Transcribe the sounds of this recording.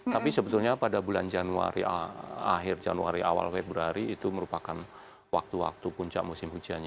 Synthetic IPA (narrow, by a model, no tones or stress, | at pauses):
t̪apisəbət̪ulɲapadabuland͡ʒanua̰ɾiaa̰ɦɪrd͡ʒanuaɾia̰wa̰lfɛb̚buɾaɾiːt̪uməɾupakan | wak̚t̪uwa̰k̚t̪upuɲt͡ʃa̰ʔmusɪmhud͡ʒiaɲa